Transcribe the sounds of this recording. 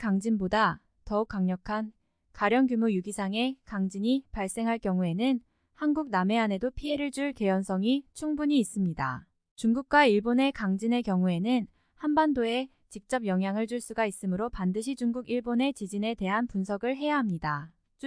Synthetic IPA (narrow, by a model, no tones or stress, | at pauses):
kaŋd͡ʑinboda | tʌuk̚k͈aŋɲʌkʰan | kaɾjʌnɡjumujuɡisʰaŋe̞kaŋd͡ʑiɲipaɭs͈e̞ŋɦaɭkjʌŋue̞nɯn | hanɡuɡ̚name̞ane̞dopʰiɦe̞ɾɯɭd͡ʑuɭke̞jʌnsʰʌŋit͡ɕʰuŋbuɲiːs͈ɯmɲida̰ | t͡ɕuŋɡuk̚k͈waiɭbone̞kaŋd͡ʑine̞kjʌŋue̞nɯn | hanbandoe̞ | t͡ɕik̚t͡ɕ͈ʌb̚jʌŋɦjaŋɯɭd͡ʑuɭs͈uɡais͈ɯmɯɾopandɯɕʰid͡ʑuŋɡuɡiɭbone̞t͡ɕid͡ʑine̞te̞ɦanpunsʰʌɡɯɭɦe̞jaɦamɲida